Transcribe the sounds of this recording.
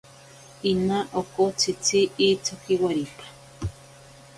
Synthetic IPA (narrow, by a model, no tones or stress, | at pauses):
inaʔokot͡sʰit͡sʰiːt͡sʰokiwaɾipḁ